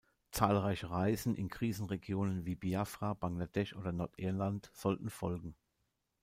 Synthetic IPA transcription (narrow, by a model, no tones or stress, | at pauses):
t͡saːlʁaɪçəʁaɪzn̩ʔɪ̰nkʁ̥iːzn̩ʁeɡjoːnənviːbiafʁabaŋladɛʃʔoːdɐnɔɐtʔɪɐlantz̥ɔltn̩fɔlɡŋ̩